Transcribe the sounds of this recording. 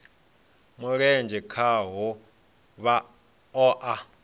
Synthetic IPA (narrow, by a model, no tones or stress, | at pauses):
muɺɛnd͡ʒʱɛkʰaɦɔ | βa | ɔʔa